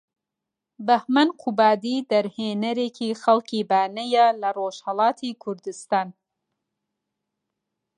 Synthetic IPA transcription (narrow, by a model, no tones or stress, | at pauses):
bɐhmɐnqʰubaːd̪iːd̪ɐɾheːnɐɾeːkʰiːxɐlkiːbaːnɐjalɐroːʃhɐlˠɑːt̪ʰiːkʰuɾd̪ɨst̪aːn